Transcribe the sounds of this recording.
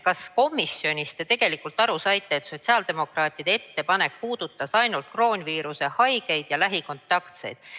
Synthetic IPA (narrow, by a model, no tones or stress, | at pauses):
kɑsko̞mːisːjo̞nʲist̪e̞t̪e̞ɡ̥e̞likːˑult̪ˑɑɾusɑjt̪ːˑe̞ːt̪ːso̞t̪ʲsiɑːld̪e̞mo̞krɑːt̪ːˑid̪̥e̞et̪ːe̞pɑne̞k̚puːd̪̥ut̪ːˑɑsɑjnult̪̚kro̞ːnʲviːɾuse̞hɑjɡ̥e̞jd̪̥jɑlæɦiko̞nt̪ːˑɑkt̪se̞̰jd̪̥̚